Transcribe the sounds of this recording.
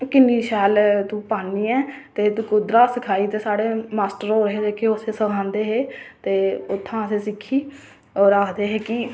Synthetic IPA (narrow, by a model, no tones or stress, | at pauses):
kɪnːiːʃɛːlt̪ũːpaːniːɛːt̪eːt̪ũːkʊd̪ɾaːsɪkʰaːiːt̪eːsaːɽeːmaːsʈəɾoːɾɦeːd͡ʒeːkʰeːʊseːsəkʰãːnd̪eːɦeːt̪eːʊt̪ʰːãːseːsɪkʰːiː | ɔːɾaːkʰd̪eːɦeːkɪ